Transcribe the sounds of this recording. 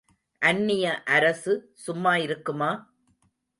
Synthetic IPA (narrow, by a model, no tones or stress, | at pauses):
ʔɐnːɪjɐʔɐɾɐsɯ | sʊmːaːjɪɾɯkːɯmaː